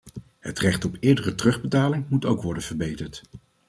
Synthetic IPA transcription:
hətrɛχtɔpɪːɹdərətrɵχbətaːlɪŋmutowkʋɔɹdənvəɹbejtəɹt

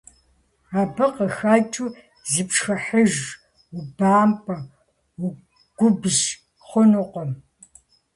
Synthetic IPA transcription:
aːbɨqəxɐt͡ʃʼu | zipʂxɐħəʒ | ʊbaːmpʼɐ | ɡ̥ʷʊbʒ | χʷɔnuqʷɔm

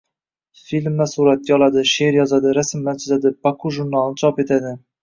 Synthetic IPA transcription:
filmlæsuɾɑt̪̚jɑlˠɑd̪ɪʃeɾjɒzɑd̪ɪɾæsɪmːænt͡ʃʰɪzæd̪ɪb̥ɑkʰuʒuɾnɑlˠnɨt͡ʃʰɑpet̪ʰæd̪ɪ

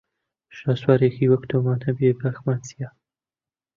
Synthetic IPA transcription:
ʃaːswaːɾekʰiwɐkt̪ʰoːmaːnɐbebaxmaːnt͡sija

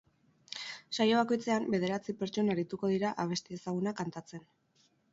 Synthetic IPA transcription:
sajo̞β̞ako̞jt͡se̞ambe̞ð̞e̞ɾat͡sipe̞ɾt͡ʃo̞naɾit̪uko̞ð̞iɾaʔaβ̞e̞st̪eːsaɣ̞unakant̪at͡se̞n

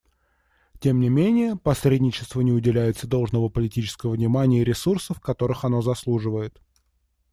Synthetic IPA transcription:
tʲe̞mnʲɪmʲenʲɪjəpɐsɾʲedʲnʲɪt͡ɕɪ̥st̪vənʲɪʊdʲɪlʲæjɪt̪səd̪o̞lˠʐnəvəpəlʲɪtʲit͡ɕɪ̥skəvəvnʲɪmanʲɪjəɪɾʲɪsursəfkɐt̪o̞ɾɨxɐno̞zɐslˠuʐɨvəjɪt̪

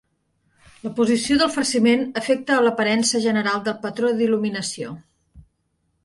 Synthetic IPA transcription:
ləpuzisioðəlˠfərsimenəfɛk̚t̪əːləpəɾɛnsəʒənəɾalˠd̪əlˠpət̪ɾod̪iluminəsio

